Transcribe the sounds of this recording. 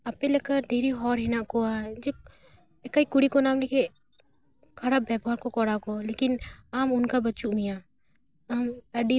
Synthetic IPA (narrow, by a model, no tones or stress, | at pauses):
ɐpẽləkəɾɖeːɾiɦɔːɾɦɛnaʔkoad͡ʒe | ekaikʊɽikonaːmlekʰe | kʰɐɽabɛːbɦaɾkokɔɽakolekɪnamʊnkabɐt͡ʃuʔmijaː | aməɖi